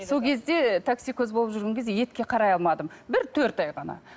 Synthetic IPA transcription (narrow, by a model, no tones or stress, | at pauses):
so̞lˠkʲʰezd̪e̞t̪ʰaksijkʲʰɵzbolˠəpʒʏɾɡʲe̞ŋkʲezd̪eje̞t̪kʲe̞qʰɑɾɑjɑlˠmɑd̪əmbɪɾt̪ʰɵɾt̪ɑjʁɑnɑ̰